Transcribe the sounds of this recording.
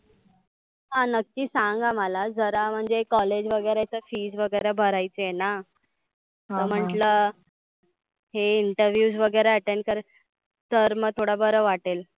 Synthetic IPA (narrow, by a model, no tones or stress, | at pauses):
ɦãnəkːiːsãŋɡʱaməlad͡zəɾam̤əɳd͡zeekːɔled͡ʑʋəɡəjɾat͡səfiːd͡zʋəɡəjɾebʱəɾajt͡səjena | t̪əm̤əʈlə | ɦeiɳʈəɾʋjuːd͡zʋəɡəjɾeəʈeɳkəɾ | t̪əɾmət̪ʰoɽabəɾəʋaʈel